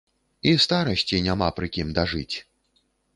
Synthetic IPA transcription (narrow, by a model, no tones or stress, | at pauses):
ist̪aɾɐsʲt͡sʲinʲamapɾɨkʲimd̪aʐɨt͡sʲ